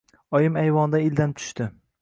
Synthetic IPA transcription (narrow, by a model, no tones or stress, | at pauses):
ɒjɪmajvɒnd̪aɪld̪anɪt̪ʰʊ̥ʃt̪ɪ